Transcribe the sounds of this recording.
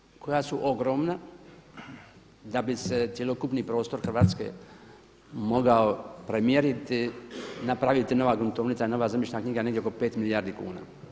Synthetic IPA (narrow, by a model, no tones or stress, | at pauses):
kʰo̞jasuʔoɡɾo̞ːmna | d̪abiset̪sje̞lo̞kupniːpɾo̞ːst̪o̞ɾxr̩ʋaːt̪skḛ | mo̞ɡaopɾemjeɾit̪inapɾaʋit̪ino̞ʋaɡunt̪oʋnit̪saino̞ʋazamjet͡ʃnakɲiɡaneɡd̪ʲjeoko̞pe̞ːt̪milijaɾd̪ikṵːna̰ː